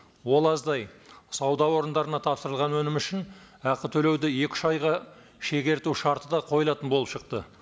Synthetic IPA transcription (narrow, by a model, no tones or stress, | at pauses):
wo̞lˠɑzd̪ɑjsɑwd̪ɑwo̞ɾənd̪ɑɾənɑt̪ʰɑpsəɾəlˠʁɑnwɵnɪmʏʃɪn | æqət̪ʰɵle̞wd̪ɪje̞kʲɪ̥ʃɑjʁɑ | ʃe̞ɡʲe̞ɾt̪uʃɑɾt̪əd̪ɑqʰo̞jəlˠɑt̪ənbolˠəpʃəq̚t̪ə